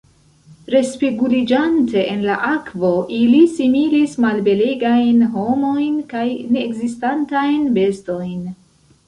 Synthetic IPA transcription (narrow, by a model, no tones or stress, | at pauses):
ɾe̞spiɡulid͡ʒante̞ʔenlaʔakvo̞ʔilisimilismalbe̞leɡajnɦo̞mo̞jnkajne̞ːɡzistantajnbe̞sto̞jn